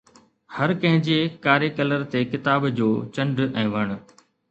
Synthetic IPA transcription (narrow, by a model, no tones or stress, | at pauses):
hɐɾkɐ̃ɦɪ̃ɲd͡ʑeːkaːɾekɐləɾt̪ekɪt̪aːbd͡ʑoːt͡ɕɐ̃ɳɖɛ̃ːʋɐɽ̃ʊ̆